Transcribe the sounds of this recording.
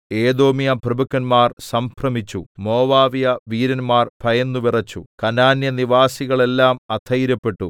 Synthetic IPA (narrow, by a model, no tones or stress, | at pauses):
e̞ːd̪o̞ːmijɐprɐbɐkːɐnmaːrsɐmprɐmit͡ɕːumo̞ːʋaːʋijɐʋiːɾɐnmaːrpʰɐjɐnːuʋirɐt͡ɕːukɐnaːnjɐniʋaːsiɣɐɭe̞lːaːmɐt̪ʰɐjiɾɐpːe̞ʈːu